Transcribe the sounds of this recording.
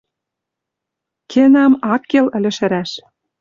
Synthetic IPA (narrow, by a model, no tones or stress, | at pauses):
kʰenɑmɑkːelɘ̆lʲɘ̆ʃɘ̆ɾæʃ